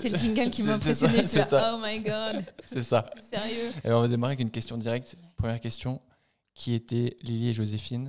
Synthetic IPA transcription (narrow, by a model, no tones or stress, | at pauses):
sɛləkʲiŋɡalkʲimaɛ̃pesjɔnesɛsaomajɡɑd̪sɛsasɛʁjøa̰lɛɔ̃vad̪emaʁeɛɛkynkʲɛst̪jɔ̃d̪iʁɛk̚t̪pχəmjɛʁkʲɛst̪jɔ̃ | kʲʰiet̪ɛlilieʒozefin